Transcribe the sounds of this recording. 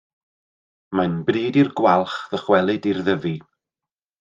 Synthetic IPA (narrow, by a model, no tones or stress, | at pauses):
manbrɨːdirɡwalˠχðəχwɛlˠɨdirðəvi